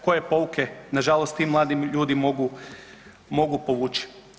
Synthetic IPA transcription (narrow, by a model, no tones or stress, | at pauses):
ko̞je̞po̞ukʰe̞naʒalˠost̪t̪iːmːlˠaːd̪imʎuːd̪imo̞ɡu | mo̞ɡupo̞ʋuːt͡ʃi̥